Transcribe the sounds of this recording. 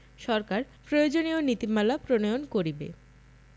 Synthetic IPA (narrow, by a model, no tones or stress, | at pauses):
ʃɔɾkaɾ | pɾojod͡ʑonionit̪imalapɾonojonkoɾibḛ